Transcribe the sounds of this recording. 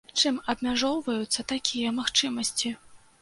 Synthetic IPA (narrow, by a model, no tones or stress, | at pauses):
t͡ʂɨmɐbmʲaʐɔwvɐjut̪sːɐt̪akʲijɐmaxt͡ʂɨmɐsʲt͡sʲi